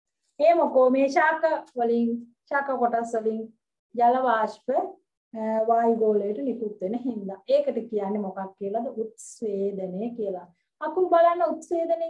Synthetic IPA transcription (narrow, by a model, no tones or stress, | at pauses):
eːmokoːmeːʃaːkaʋəliŋ | ʃaːkakoʈasʋəliŋ | d͡ʒalɐʋaːʃpə | ʋaːjɡoːləjəʈənikut̪ʋenəɦind̪aʔeːkəʈəkijanːemokakːiəlad̪əʔut̪sʋeːd̪ənejəkijəla | ɐpubalanːəut̪sʋeːd̪əne